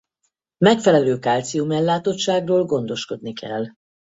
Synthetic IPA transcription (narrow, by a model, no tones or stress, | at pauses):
mɛkfɛlɛløːkaːlt̪sijumɛlːaːt̪o̞t͡ʃːaːɡroːlɡo̞nd̪o̞ʃko̞d̪̚nikʰɛ̰l